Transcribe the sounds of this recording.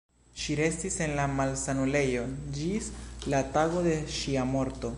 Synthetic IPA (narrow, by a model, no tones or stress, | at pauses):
ʃiɾe̞stise̞nlamalsanule̞jo̞d͡ʒislataɡo̞d̪e̞ʃiamo̞ɾto̞